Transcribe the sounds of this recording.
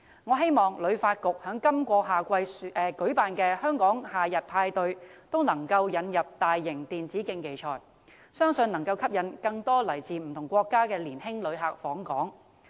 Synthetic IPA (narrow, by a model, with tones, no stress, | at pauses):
ŋɔː˨˧ɦe˥jmɔː˨˩ŋlɵ˨˧˥ɥfaː˧t̚kʊ˨k̚hœː˨˥ŋkɐ˥mkʷɔː˧ɦaː˨kʷɐ˧jʔɛ˨kɵ˨˥ɥpaː˨nkɛː˧hœː˥ŋkɔː˨˥ŋhaː˨jɐ˨t̚pʰaː˧jt̪ɵ˧ɥt̪o˥wnɐ˨˩ŋkɐ˧wjɐ˨˧njɐ˨p̚t̪aː˨jːɪ˨˩ŋt̪iː˨nt͡siː˨˥kɪ˧ŋke˨˩jt͡ʃʰɔ̰ː˨˩j | sœː˥ŋsɵ˨˧nɐ˨˩ŋkɐ˧wkʰɐ˥p̚jɐ˨˧nkɐ˧ŋt̪ɔː˥lɐ˨˩jt͡siː˨m̩˨˩t̪ʰʊ˨˩ŋkʷɔː˧kːaː˥kɛː˧liː˨˩nhɪ˥ŋlɵ˨˧ɥɦaː˨k̚fɔː˨˥ŋkɔː˨˥ŋ